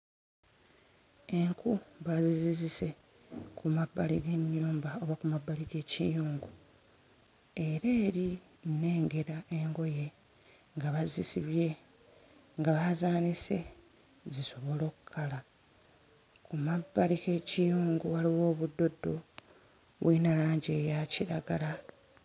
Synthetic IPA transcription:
e̞ŋkuβazizizise̞ | kʰumabːaliɡe̞ɲjuːmbaoβakumabːaliɡe̞ːcḭjuːŋɡu | e̞ɾeːɾi | ne̞ːŋɡe̞ɾaʔe̞ŋɡo̞je̞ | ŋɡaβazisiβje̞ | ŋɡaβazaːnise̞ | ziso̞βo̞lo̞ːku̥kʰːala | kumabːalike̞ːcijuːŋɡuwaliwo̞ːβudːo̞dːo̞ | βwinalaːɲɟe̞jaciɾaɡala

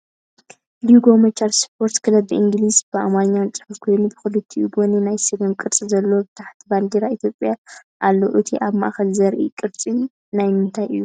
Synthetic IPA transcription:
ljuɡo̞mɐt͡ʃːaɾspʰoɾt̪kʰɨlɐbiʔiŋɡlizb̥ɨamaɲːant͡sʼɨħufkʰo̞jnubɨxɨlɨt̪ʰːiuɡoninajsɨɡɐmkʼɨɾt͡sʼizɐlːobɨt̪ʰaħt̪ʰiband̪iɾait̪ʰjopʼjaʔalːoʔɨt̪ʰiʔaβma̰ʔaxɐlzɐɾʔḭkʼɨɾt͡sʼi | najmɨnt̪ʰajɨjːu

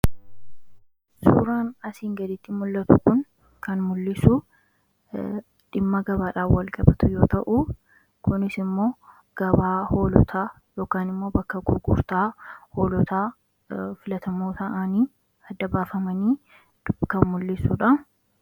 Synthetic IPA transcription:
sṵːɾaːnɐsiːŋɡɐd̪ɪt̪ːɪmʊlːɐt̪ʊkʊn | kʰɐnmʊlːɪsʊ | ᶑɪmːɐɡɐbaːᶑaːfwɐlɡɐbɐt̪ʊjo̞ːt̪ɐʔʊ | kʊnɪsɪmːo̞ː | ɡ̥ɐbaːho̞ːlɔ̰t̪ʰaː | jo̞ːkaːnɪmːo̞ːbɐkːɐɡʊɡʊ̰ɾt̪aːhoːlɔt̪aː | fɪlɐt̪ɐmoːt̪ɐʔɐniː | ɐd̪ːɐbaːfɐmɐniː | kɐmmʊlːɪsuːᶑɐ

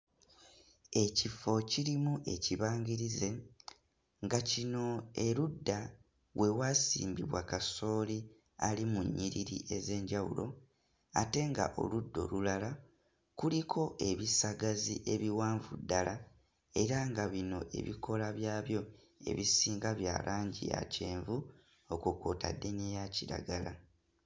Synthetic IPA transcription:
e̞cifo̞ciɾimuʔe̞ciβaːɲɟiɾize̞ | ŋɡacino̞eɾudːa | we̞wasḭːmbiβwa̰kaso̞ːli | alimuɲːiɾiɾḭʔe̞ze̞ːɲɟawṵlo̞̰ | a̰te̞ŋɡa̰ʔo̞̰ludːo̞̰lulala | kulikʰo̞ʔe̞βisaɡaziʔe̞βiwaːɱvudːala | e̞ɾaŋɡaβino̞̰ʔe̞̰βikʰo̞laβjaːβjo̞ | e̞̰βisiːŋɡaβja̰ːlʔaːɲɟḭja̰ce̞ːɱvu | o̞kukoːta̰dːe̞niejaciɾa̰ɡala

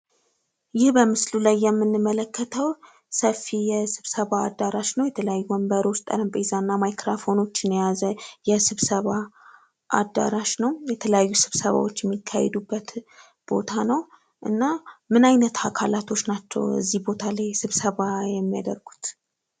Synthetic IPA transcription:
jɪhbəmɨslulajːɛmːɨnːɨmːələkːət̪ʰəw | səfijɛsɨβsəβa̰ːd̪ːaɾaʃnəwjɛt̪ʰələjajːuəmbəɾo̞t͡ʃt̪ʼə̰ɾəmpʼezanːamajkɾafo̞no̞t͡ʃːɨnɛjazəjɛsɨβsəβa | ʔa̰d̪ːa̰ɾaʃnəwjɛt̪ʰələjajːusɨβsəβa̰wot͡ʃːjɛmːikʰːajɛ̰d̪ubːət̪ | b̥o̞̰t̪ʰanəw | ʔɨ̰nːamɨnajnət̪akʰa̰lat̪ʰo̞t͡ʃːnat͡ʃːɛ̰wɨ̰zːihbo̞t̪ʰalajsɨβsəβajɛmːijad̪əɾɡ̥u̥t̪

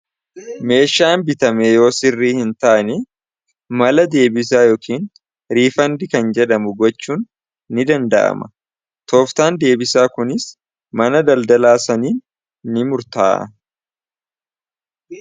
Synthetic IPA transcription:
me̞ːʃaːnbɪt̪ɐmɛjo̞ːsɪrːiːhɪnt̪ɐʔɐnɛ | mɐlɐd̪e̞ːbɪs̬aːjo̞ːkʰiːn | ɾiːfɐnd̪ɪkɐnd͡ʒɛd̪ɐmʊɡɔt͡ʃːuːnː | ɪd̪ɐnd̪ɐʔɐ̰mɐ | t̪o̞ːft̪aːnd̪e̞ːbɪsaːkʊnɪs | mɐnɐd̪ɐld̪ɐlaːsɐniːnː | ɪmʊɾt̪aːʔ

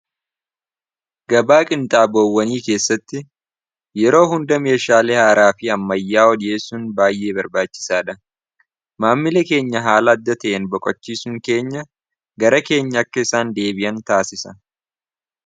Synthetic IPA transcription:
ɡɐbaːkʼɪnt̪ʼaːboːwːɐniːke̞ːsːɐt̪ːɪ | jɛɾo̞ːɦʊnd̪ɐme̞ːʃaːlehaːɾaːfɪɐmːɐjːaːɔd̪eːsʊnbaːjːe̞ːbɐɾbaːt͡ʃːɪ̥saːᶑɐ | maːmːɪlɛke̞ːɲːɐɦaːlɐːd̪ːɐt̪ɐʔeːnbɔkʼɔt͡ʃːiːsʊŋke̞ːɲːɐ | ɡɐɾɐke̞ːɲːɐːkːɐɪsaːnd̪e̞ːbɪjɐnt̪aːsɪsɐ

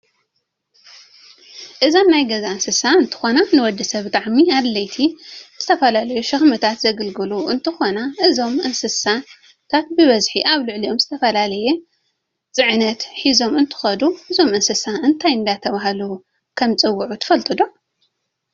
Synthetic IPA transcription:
ʔɨzomnajɡɐzaɨnsɨsaɨnt̪ʰɨ̥xonanɨwɔd̪ːɐsɐβbɨt̪ʼaʕmiad̪lɐjt̪ʰiz̥ɨt̪ʰɐfɐlalɐjuʃɐxmɐt̪ʰat̪zɐɡɐlɡɨluʔɨnt̪ʰɨxo̞naʔɨzo̞mʔɨnsɨsa | t̪ʰat̪̚bɨβɐzħiʔaβlɨʕlio̞mzɨt̪ʰɐfɐlalɐjɛ | t͡sʼɨʕnɐt̪ħizo̞mɨnt̪ʰɨ̥xɐd̪uʔɨzo̞mɨnsɨsaʔɨnt̪ʰajɨnd̪at̪ʰɐβaɦalu | kʰɐmt͡sʼɨwːuʕut̪ʰɨ̥fɐlt̪ʰɨd̪u

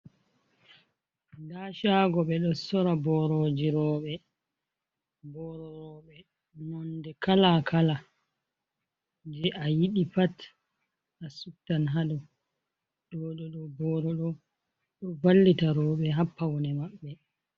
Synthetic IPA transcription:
daʃaɡɔɓɛɗɔsɔɾabɔɾɔd͡ʒiɾɔːɓɛ | bɔɾɔɾɔɓɛ | nɔndɛkalakʰala | d͡ʒɛʔajiɗipat | asutːanɦaɗɔ | ɗɔɗɔɗɔbɔːɾɔɗɔ | ɗɔvalːitaɾɔɓɛɦapːawɔnɛmaɓːɛ

